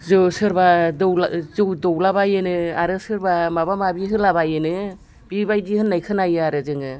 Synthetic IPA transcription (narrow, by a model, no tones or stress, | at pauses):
zɯsɯɾbadɔwlzɯwdɔwlabajɯnɯaɾɯsɯɾbamabamabiɦɯlabajɯnɯ | b̥ibajdihɯnːajkʰɯnajɯaɾɯzɯŋɯ